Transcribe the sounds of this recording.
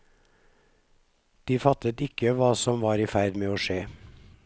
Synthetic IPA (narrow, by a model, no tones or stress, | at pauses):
d̪̥iːfɑt̪ət̪ɪkəʋɑːsɔmʋɑːɾiːfæɾd̪meːoːʃeː